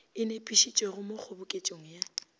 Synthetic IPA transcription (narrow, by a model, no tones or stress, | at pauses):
ɪnepʼiʃit͡ʃʼweɣʊmok͡xʰʊbʊkʼet͡ʃʼoŋ̩ja